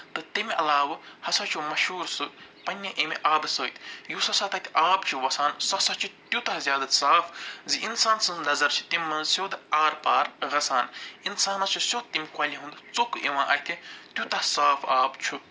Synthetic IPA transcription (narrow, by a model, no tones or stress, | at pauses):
t̪ɨt̪emʲiɐlaːʋɐhɐsɐt͡ʃʰumɐʃuːɾsɨpɐnʲːɐʔemʲiʔaːbsəːt̪ʰjusɐsat̪ʰɐk̪ʲiʔaːbt͡ʃʰuʋɐsaːnsɐsɐt͡ʃʰut̪jut̪ɐɦzʲjaːd̪asaːfziʔinsaːnsɐ̃nznɐzɐɾt͡ʃʰi̥t̪emʲmːɐnzsʲjoːd̪aːɾpaːɾɣɐsaːninsaːnɐt͡ʃʰusjod̪̚t̪imʲkwɐlʲiɦũnd̪ɨt͡sokeʋãːʔɐt̪ʰit̪jut̪ɐhsaːfaːbt͡ʃʰu